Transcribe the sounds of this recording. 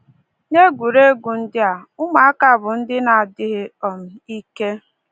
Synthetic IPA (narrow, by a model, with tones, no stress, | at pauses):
ɲe˦ɡʷu˨ɾe˦ɡʷu˨n̩˦dɪ˦a˨ʊ˦ma˨a˦ka˨bʊ˨n̩˦dɪ˦na˨a˨dɪ˦ɦɪ˦ɔ˨m̩˦i˦ke˦